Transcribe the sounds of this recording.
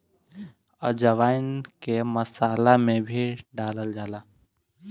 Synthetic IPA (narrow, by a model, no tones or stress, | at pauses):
əd͡ʒəʋaːɪnkeməsaːlamẽbʱiɖaːləld͡ʒaːlaː